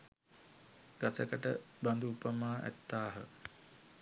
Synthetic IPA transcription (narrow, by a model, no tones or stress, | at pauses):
ɡ̥asəkəʈəband̪uːpəmaːʔæ̰t̪ːaːɦə